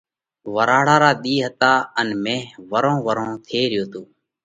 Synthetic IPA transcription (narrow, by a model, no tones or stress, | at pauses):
ʋəɾaːɽaːɾaːɗ̪iːɦət̪aːənmẽːʋəɾõːʋəɾõːt̪ʰeːɾɪjoːt̪oː